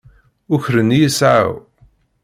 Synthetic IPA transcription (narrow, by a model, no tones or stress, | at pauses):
ʊçɾənːijəsʕa̰w